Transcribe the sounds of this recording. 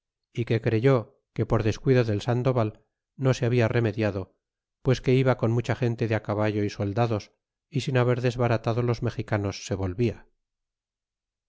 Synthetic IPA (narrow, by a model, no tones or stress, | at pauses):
ike̞kɾe̞ʝo̞ | ke̞po̞ɾðe̞skwiðoðe̞lsand̪o̞βal | no̞seaβiare̞me̞ðjaðo̞ | pwe̞ske̞iβako̞nmut͡ʃaχe̞nt̪e̞ðeakaβaʝo̞iso̞ld̪aðo̞s | isinaβe̞ɾðezβaɾat̪aðo̞lo̞zme̞xikano̞sːe̞βo̞lβia